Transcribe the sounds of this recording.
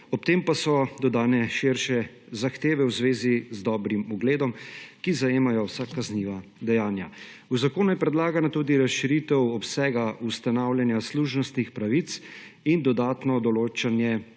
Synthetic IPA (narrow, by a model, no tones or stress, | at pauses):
ɔpt̪eːmpasɔd̪ɔd̪aːnɛʃɪɾʃɛ | zaxt̪eːʋɛwzʋeːzizd̪ɔːbɾimuɡleːd̪ɔmkizajeːmajɔwsakːazniːʋad̪ɛjaːnja | uzakoːnujɛpɾɛd̪laːɡanat̪ud̪iɾasʃiɾit̪ɛwɔpsɛːɡaust̪anawljɛnjasluːʒnɔst̪nixpɾaʋit̪s | ind̪ɔd̪aːt̪nɔd̪ɔloːt͡ʃanjɛ